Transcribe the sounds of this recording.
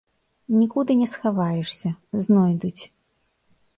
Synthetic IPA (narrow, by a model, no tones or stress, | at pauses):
nʲikud̪ɨnʲɛsxavajɛʂsʲɐznɔjd̪ut͡sʲ